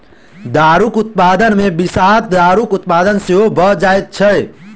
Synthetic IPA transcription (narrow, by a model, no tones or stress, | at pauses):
d̪aɾukut̪̚pad̪ənmebisaɦt̪̚d̪aɾukut̪̚pad̪ənseɦobʱəd͡ʒajt̪̚t͡ʃʰəj